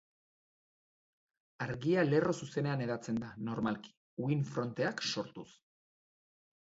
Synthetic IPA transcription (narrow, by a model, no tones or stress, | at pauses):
aɾɣiale̞ro̞suse̞ne̞ane̞ðat͡se̞nd̪ano̞ɾmalki̥ | uinfɾo̞nt̪e̞akso̞ɾt̪us